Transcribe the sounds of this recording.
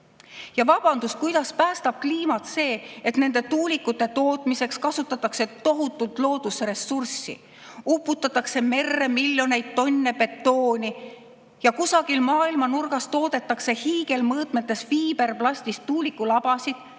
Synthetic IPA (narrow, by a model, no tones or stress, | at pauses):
jɑvɑb̥ɑnd̪̥uskujd̪̥ɑspæːst̪ɑb̥̚kliːmɑt̪se̞ːet̪ne̞nd̪̥e̞t̪uːlikːut̪ːˑe̞t̪o̞ːt̪mise̞kskɑsut̪ːˑɑt̪ːˑɑkse̞t̪o̞ɦut̪ːˑult̪lo̞ːd̪̥usre̞sːursːḭ | upːˑut̪ːˑɑt̪ːˑɑkse̞me̞rːe̞miljo̞ne̞jd̪̥̚t̪ːo̞nʲːepe̞t̪ːo̞ːnʲi | jɑkusɑɡilmɑːilmɑnurɡ̥ɑst̪o̞ːd̪̥e̞t̪ːˑɑkse̞hiːɡe̞lmɤːt̪met̪ːˑe̞sviːbe̞rplɑsʲt̪ist̪ːuːlikːˑulɑb̥ɑsid̪̥